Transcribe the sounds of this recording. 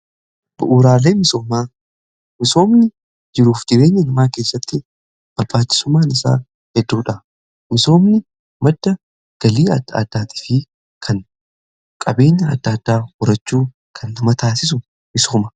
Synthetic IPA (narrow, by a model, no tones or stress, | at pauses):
b̥ʊʔuːɾaːleːmɪso̞ːmaː | mɪso̞ːmnɪ | d͡ʒɪɾuːfd͡ʒɪɾe̞ːɲːɐnɐmaːke̞ːsːɐt̪ːɪ | b̥ɐɾbaːt͡ʃːɪ̥sʊmːaːnɪsa̰ː | hɛd̪ːuːᶑɐ | mɪso̞ːmnɪ | mɐd̪ːɐ | ɡ̥ɐliːɐd̪̰d̪̥ːaːt̪ɪ̥fɪ | kʰɐŋ | kʼɐbe̞ːɲːɐɐ̰d̪ːaːd̪ːaːhʊɾɐt͡ʃːuː | kʰɐnlɐmɐt̪ʰaːsɪs̬ʊ | mɪso̞ːmɐ